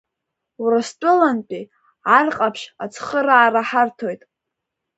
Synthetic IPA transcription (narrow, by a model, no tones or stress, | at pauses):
wrastʷʼʊlanpʼi | ʕarqʼapʰʃat͡sʰχəɾaːraħartʰo̞jtʼ